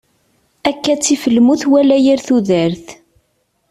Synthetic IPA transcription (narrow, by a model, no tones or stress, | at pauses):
ækːæt͡sːifəlːmuθwælæjəɾθuðəɾθ